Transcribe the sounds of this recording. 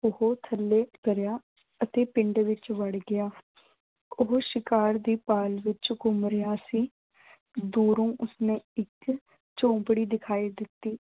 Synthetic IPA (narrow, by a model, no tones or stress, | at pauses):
ʊhoːt̪ʰəlːeːkəɾjaː | ət̪eːpɪɳɖʋɪt͡ʃʋəɽɡɪaː | ʊɦoʃɪkaːɾd̪iːpaːlʋɪt͡ʃɡʊmɾɪjaːsiː | d̪uːɾõːʔʊsnẽːɪk | t͡ʃõːmpɽiːd̪ɪkʰaːiːd̪ɪt̪ːiː